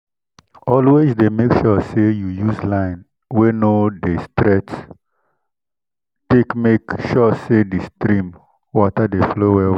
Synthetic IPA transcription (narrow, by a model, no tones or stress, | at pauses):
ɔlwesdemekʃɔsejujuzlãɪ̃n | wenodestɾɛts | tekmekʃɔsedistɾĩm | wɔtadeflowɛw